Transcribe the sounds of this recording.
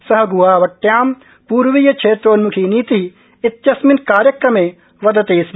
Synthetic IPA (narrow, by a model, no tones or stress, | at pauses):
sɐɦɐɡuwaːʋɐʈjaːm | puːɾʋijɐt͡ʃʰeːt̪ɾonmukʰiniːt̪i | ɪt̪jɐsminkaːɾjɐkɾɐmẽː | ʋɐd̪ɐt̪eːsm